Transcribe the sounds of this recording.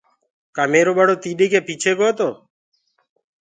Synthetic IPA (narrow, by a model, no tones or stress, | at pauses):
kaːmeːɾoːɓəɽoːt̪iːɗeːkeːpiːt͡ʃʰeːkoːt̪oː